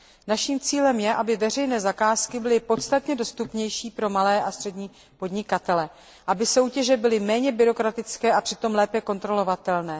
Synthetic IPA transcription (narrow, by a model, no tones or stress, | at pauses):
naʃiːmt͡siːlɛmjɛʔabɪvɛr̝ɛjnɛːzakaːskɪbɪlɪpo̞t̪st̪at̪ɲɛdo̞st̪upɲɛjʃiːpɾo̞malɛːʔast̪r̥ɛdɲiː | po̞dɲɪkat̪ɛlɛ | ʔabɪso̞wcɛʒɛbɪlɪmɛːɲɛbɪɾo̞kɾat̪ɪt͡skɛːʔapr̥ɪt̪o̞mlɛːpɛko̞nt̪ɾo̞lo̞vat̪ɛlnɛː